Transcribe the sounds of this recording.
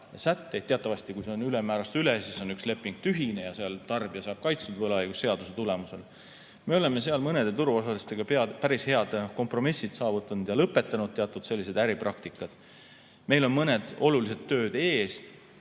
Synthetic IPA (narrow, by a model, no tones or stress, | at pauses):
sæt̪ːe̞jd̪̚te̞ɑt̪ːˑɑvɑsʲt̪ikujse̞o̞nylemæːɾɑst̪ylesiso̞nyksle̞pːˑiŋɡ̥̚t̪yɦine̞jɑseɑlt̪ɑrb̥iɑsɑːb̥̚kɑjt̪st̪ud̪̥vɤlɑjɡusːe̞ɑd̪̥use̞t̪ulemuse̞l | me̞o̞le̞mːe̞s̬e̞ɑlmɤne̞d̪̥e̞t̪uɾuo̞s̬ɑlist̪eɡ̥ɑpeɑpæɾishe̞ɑd̪̥ko̞mpro̞misːid̪̥sɑːvut̪ːˑɑnud̪jɑlɤpːˑe̞t̪ːˑɑnud̪̚t̪e̞ɑt̪ːˑud̪̥se̞lːise̞d̪̥æɾiprʔɑkt̪ikːˑɑd̪̥ | me̞jlo̞nmɤne̞d̪̥o̞lulis̬e̞d̪t̪ːøːd̪e̞ːs